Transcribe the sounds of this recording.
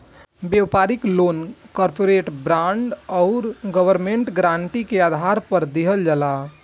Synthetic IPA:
bewpaɾɪklonkɔɾpoɾeʈbɾãɳɖɔʊɾɡəʋəɾmẽɳʈɡɾãɳʈikeaːd̪ʱaɾpəɾd̪iɦəld͡ʒala

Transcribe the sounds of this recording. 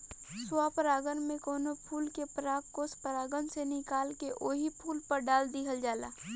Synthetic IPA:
swaːpəɾaːɡənmẽkoːnopʰuːlkepɾaːkːoːspəɾaːɡənsenɪkaːlkeʔoːɦipʰuːlpɐɾɖaːld̪ɪɦəld͡ʒaːla̰ː

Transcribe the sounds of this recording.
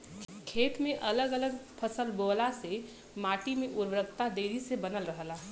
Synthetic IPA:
kʰeːt̪mẽʔələɡələɡpʰəsəlboːlase | maːʈimeʔʊɾʋɾəkt̪ad̪eːɾisebənəlɾəɦəla

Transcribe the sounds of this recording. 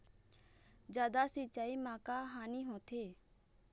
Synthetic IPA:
d͡ʒaːd̪asit͡ʃaːimãːkaɦaːniːɦõːt̪ʰeː

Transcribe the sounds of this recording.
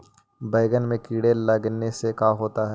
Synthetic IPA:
bɐɪɡənmẽkiːɽelɐɡnesekaɦoːt̪aɦɛ

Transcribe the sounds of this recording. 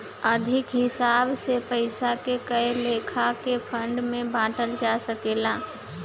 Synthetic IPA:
əd̪ʱɪkɦɪsaːbsepəɪsakekəeleːkʰakepʰə̃ɳɖmẽbãːʈəld͡ʒasəkeːlaː

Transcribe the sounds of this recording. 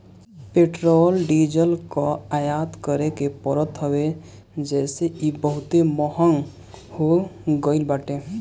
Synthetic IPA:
peʈɾoːlɖiːd͡ʒəlkaajaːd̪kəɾekepəɾət̪ɦəwe | d͡ʒɛːseibəɦʊt̪emɔɦəŋ | hoɡəɪlbaːʈe

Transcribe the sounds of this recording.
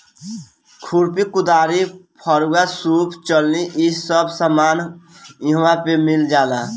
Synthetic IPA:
kʰuɾpikud̪aɾipʰəɾuɡasupʰt͡ʃəlniʔissəbsəmaːn | iɦwãpemild͡ʒaːla

